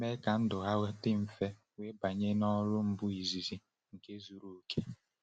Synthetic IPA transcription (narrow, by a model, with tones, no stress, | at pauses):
me˦ka˨n̩˦dʊ˨ɦa˦ɣe˦tɪ˦m̩˨fe˦ | we˦ba˨ɲe˦nɔ˦ɾʊ˦m̩˦bʊ˦i˨zi˨zi˨ | ŋ̩˨ke˦zu˨ɾu˨˦kʰe˦